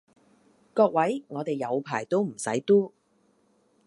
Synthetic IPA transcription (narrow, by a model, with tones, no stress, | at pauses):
kɔː˧k̚wɐ˨˥jŋɔː˨˧t̪e˨˩jːɐ˨˧wpʰaː˨˩jt̪o˥wm̩˨˩sɐ̰˨˥jt̪uː˥